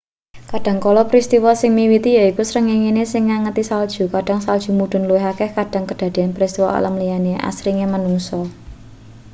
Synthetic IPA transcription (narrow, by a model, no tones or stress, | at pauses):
kaɖ̥ä̤ŋkɔlɔpɾist̪iwɔsɪŋmiwit̪ijaikusɾəŋiŋinesɪŋːaŋət̪isald̥ʒ̥ṳkaɖ̥a̤ŋsald̥ʒ̥ṳmuɖ̥ʊ̤nluweɦakɛhkaɖ̥a̤ŋkəd̥ä̤d̪̥i̤anpɾist̪iwɔ̰a̰lamlijaneʔa̰sɾiŋemanuŋsɔ